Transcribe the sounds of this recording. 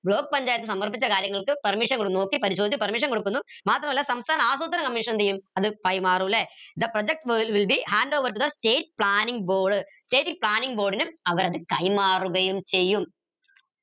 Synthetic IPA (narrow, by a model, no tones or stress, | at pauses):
bɭo̞ːk̚ːpɐɲd͡ʑaːjit̪ːɨsɐmːɐrp̬ːit͡ɕːɐkaːɾjɐŋːɐɭkɨpɐrmiʂɐnkoɽnoːkːepɐɾiɕ̬od̪it͡ɕːumpɐrmiʂ̬ɐnko̞ɽukːunːumaːt̪rɐmɐlːɐsɐmst̪ʰaːnɐaːsuːt̪̬ɐnɐŋkɐmːiʂɐnɐnt̪ijːumɐðɨpɐjmaːruʋilːed̪ðɐprod͡ʑek̚ʈʋiʋilbihaːnɖo̞ːʋɐɾʈːuðɐste̞ːʈ̚ːpɭaːniŋɡbo̞ːɖɨste̞ːʈːipɭaːniŋɡbo̞ːɖinumɐʋɐɾɐðɨkɐjmaːruɣɐjumt͡ɕe̞jːum